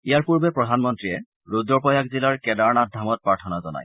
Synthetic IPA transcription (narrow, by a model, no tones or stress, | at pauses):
ijaɹpuɹbɛpɹɔdʱanmɔntɹijɛ | ɹudɹɔpɔjakzilaɹkɛdaɹnadʱamɔt̚pɹaɹtʰɔnazɔna̰j